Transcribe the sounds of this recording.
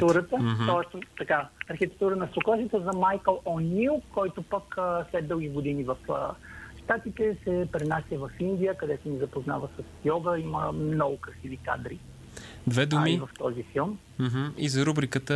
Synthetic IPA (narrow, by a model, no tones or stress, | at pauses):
t̪uɾət̪əɦt̪ɔɛst̪ɐkaɐɾxit̪ɛk̚t̪uɾənɐsoklˠaʒɛt̪ozɐmajkəlˠɔniʊkɔjt̪opəkəslɛd̪ːəlˠɡiɡod̪inivɐfə̰ʃt̪at̪it̪ɛsɛpɾɛnasʲjəvɐfind̪ijəkɐd̪ɛt̪ʊnizɐpozna̰vəsɐsjɔɡəiməmnɔɡʊkɾɐsivika̰d̪ɾi | d̪vɛd̪uamivɐft̪ɔzifilˠm | m̩ɦ̩izɐɾubɾikət̪ə